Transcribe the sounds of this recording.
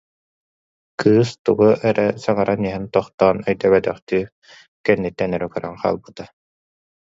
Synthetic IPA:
kʰɯːst̪uɡuʔɛɾɛsaŋaɾʔaniɦɛnt̪ɔχt̪ɔːnœjd̪œβɛt̪œχt̪yː | kɛnːit̪ːɛnœɾɛkœɾaŋχa̰ːlˠbɯt̪a

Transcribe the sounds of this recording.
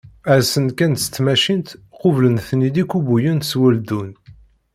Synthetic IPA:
æɾsənkænt̪sə̥t͡s̪ːmæʃint̪ | qovlənθnid̪ikːubujənt̪swæld̪un

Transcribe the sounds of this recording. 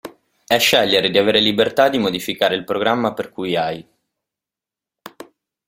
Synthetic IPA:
ɛʃːɛʎːeɾed̪iaveːɾelibert̪ad̪imod̪ifikaːɾeilpɾoɡɾamːaperkujaj

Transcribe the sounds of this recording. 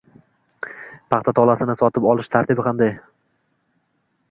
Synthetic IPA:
pʰɑχt̪ʰat̪ʰɒlˠasɪnɪsɒt̪ʰɪpɒlˠɪʃt̪ʰaɾt̪ɪbɪqʰɑnd̪aj

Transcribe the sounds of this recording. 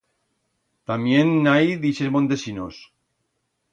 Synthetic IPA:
t̪amjenːajðisezmont̪esinos

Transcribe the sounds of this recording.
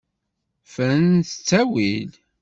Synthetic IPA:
fəɾənθə̥t͡sːæwid

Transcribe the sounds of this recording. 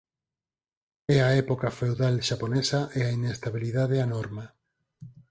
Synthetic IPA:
ɛaɛpokafewðalʃaponɛsaʔeainest̪aβiliðaðeanɔɾma

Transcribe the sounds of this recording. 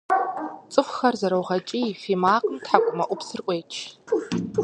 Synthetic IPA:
t͡sʼɨfxɐrzɐɾɐwʁɐt͡ʃʼifimaːqʼtħakʷʼʊmɐʔʷʊpsɨrʔʷʼeːt͡ʃʰ

